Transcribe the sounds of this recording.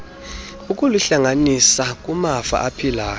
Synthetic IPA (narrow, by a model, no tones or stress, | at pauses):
ukʼuluɬaŋanisakʼumafa̰ʔapʰilaː